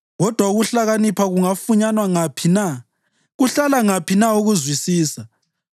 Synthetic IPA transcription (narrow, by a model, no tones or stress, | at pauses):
ɣɔd̥ʱwauɣuɬaɣanipʰaɣuŋafuɲanwaŋapʰina | ɣuɬalaŋapʰinauɣuzwisiːsa